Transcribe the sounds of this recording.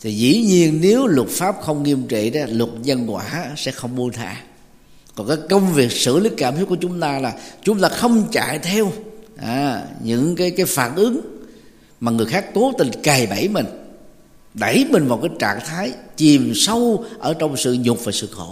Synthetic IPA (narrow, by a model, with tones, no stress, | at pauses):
t̪ʰi˨˩zḭ˧˥ɲi˧ənːe˨˦wlə˨˩t̚faː˦˥p̚xə˧wŋ͡mŋi˧əmt͡ɕḭ˧˨ɗa˨˦lwə˨˩t̚zə˧nkwa̰ː˧˩˦sɛ̰˧˥xə˧wŋ͡mɓu˧ənt̪ʰa̰ː˧˦ | kɔ˨˩kaː˨˦˥jkə˧wŋ͡mvi˨˩ək̚sɨ̰˧˩˥li˦˥k̚kːaː˧˩mt̪i˦˥t̚ku˧˩˦t͡ɕʊ˨˦ŋ͡mt̪aː˧laː˨˩t͡ɕʊ˨˦ŋ͡mt̪aː˧xə˧wŋ͡mt͡ɕa̰ː˧˨jt̪ʰɛ˧wʔaː˨˧˩ɲɨ̰˧˥ŋkaː˨˦jkaː˨˦jfaː˧˩nʔɨ˨˦ŋ | maː˨˩ŋɨ˨˩əjxaː˦˥k̚t̪o˨˦t̪ï˨˩ŋka˨˩jɓə̰˧˩jmï˨˩ŋ̟ | ɗə˧˩jmï˨˩ŋ̟vaː˨˩wkaː˨˦jt͡ɕa̰ː˧˨ŋt̪ʰaː˨˦jt͡ɕi˨˩msə˧wʔəː˧˩t͡ɕɔ˧wŋ͡msɨ̰˧˨ɲʊ˨˩k͡p̚vaː˨˩sɨ̰˧˨xo̰˧˩˦